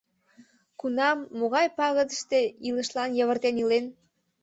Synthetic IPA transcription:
kunɑmːoɣɑjpɑɣəd̪əʃt̪e̽ilə̆ʃlɑnjɤ̆βə̆rt̪enilen

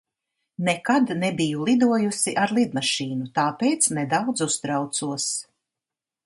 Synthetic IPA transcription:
nɛkad̪nɛbijulˠid̪uɔjusiʔaɾlˠid̪maʃiːnut̪aːpeːt̪snɛd̪awd̪zust̪ɾawt̪suɔs

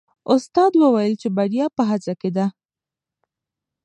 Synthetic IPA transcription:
ʊst̪ɑd̪wəwajəlt͡ʃebaɽjɑpəɦat͡saked̪a

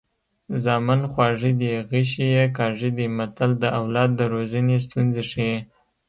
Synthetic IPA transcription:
zɑmanxwɑʐid̪iɣiʃ̬ijekɑʐid̪imat̪ald̪əʔawlɑd̪̚ːəɾozənes̬t̪unzeʂiwi

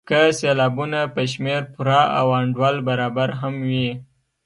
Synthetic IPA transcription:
kəselɑbunapəʃ̬meɾpʊɾɑʔa̰wɑɳɖwɑlbaɾɑbaɾɦamwi

